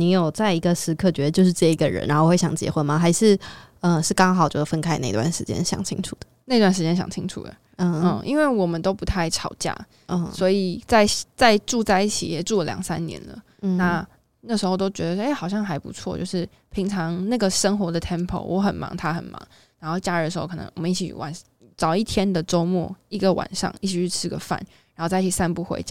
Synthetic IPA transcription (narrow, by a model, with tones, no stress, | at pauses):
ni˧˥jo˨˩ʊt͡sa˥˩ɪi˧˥ɡə˧ʂɻ̩˧˥kʰɤ˥˩t͡ɕɥɛ˧d̪ə˧t͡ɕjo˥˧ʊʂ̬ɻ̩˥˧t͡sɤ˥˩˧i˧˥ɡə˧ɻə̰˧˦nʔa˧˦˥o˥˧wwe˥˩ɕɑ˨˩ŋt͡ɕjɛ̰˧˥xwə˥nma˨xa˧˥ɪʂɻ̩˥˩ | ə˧ʂɻ̩˥˩kɑ˥ŋxɑ˨˩ʊt͡ɕjo˥˩jo˨˩fə˦˥nkʰa˥ɪna˥˧ḭ˧t̪wa̰˥˩nʂɻ̩˧˥t͡ɕjɛ̰˦nɕjɑ̰˨˩ŋt͡ɕʰḭ˥ŋʈ͡ʂʰu˨˩d̪ə̥˩na˥˧ɪtwa˥˩nʂɻ̩˧˥t͡ɕjɛ˥nɕjɑ̰˨˩ŋt͡ɕʰi˥ŋʈ͡ʂʰṵ˨˩d̪ə̰˩˥˧ə˥˩ʔḭ˦nwe˥˩ɪwɔ˨˩mə˨nt̪o˥ʊpu˧˥t̪ʰa˥˩ɪʈ͡ʂʰɑ˨˩ʊt͡ɕja̰˥˩ | ə˧swɔ˧˥i˨˩t͡sa˥˧ɪt͡sa˥˧ɪʈ͡ʂu˥˧t͡sa˥˧ɪi˥˩t͡ɕʰḭ˨˥jɛ˨˩ʈ͡ʂu˥˩lə˨ljɑ̰˨˩ŋsa˦˥nnjɛ̰˧˦nlə̰˨ | na˥˩˧ | na˥˩ʂ̬ɻ̩˧˥xo˥˧ʊt̪o˥ʊt͡ɕɥɛ˧˥d̪ə˨˥˧e˥˩ɪxɑ˨˩ʊɕ̬jɑ˥˩ŋxa˧˥ɪpṵ˧˥t͡sʰwɔ̰˥˧t͡ɕjo˥˧ʊʂɻ̩˥˩ | pʰi˧˥ŋʈ͡ʂʰɑ˧˥ŋna˥˩ɡə˩ʂə˥ŋxwɔ˧˥˦d̪ə˨t̪ʰjɛ˥npʰo̰˨˧˩ʊwʔɔ˧˥xə˨˩nmɑ̰˧˥ŋt̪ʰa˥xə̰˨˩nmɑ̰˧˦ŋ | ɻa˧˥nxo˥˧ʊt͡ɕja˥˧ɻə˧˩ə˩ʂɻ̩˧˥o˥˧ʊ˨˩ɤ̰˧˦ŋwɔ˨˩mə˦i˥˩t͡ɕʰḭ˧wa̰˨˩˦n | ʈ͡ʂɑ˨˩ʊi˥˩t̪ʰjɛ˥nd̪ə˨ʈ͡ʂo˥ʊmwɔ̰˥˩i˧˥ɡə˨wa̰˨˩nʂɑ̰˥˧ŋi˥˩t͡ɕʰi˨˥ɻy˥˩ʈ͡ʂʰɻ̩˥ɡə̰˨˩fa̰˥˩n | ɻa˨˧˥ŋxo˥˧t͡sa˥˩i˥˩t͡ɕʰi˨˩sa˥˧npu˥˩xwḛ˧˥ɪt͡ɕ